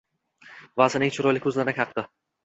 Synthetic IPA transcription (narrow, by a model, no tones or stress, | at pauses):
vazɪnɪŋt͡ʃʰʊɾɒjlɪkʲʰɵzlanɪkʲʰɑq̚d̪ɪ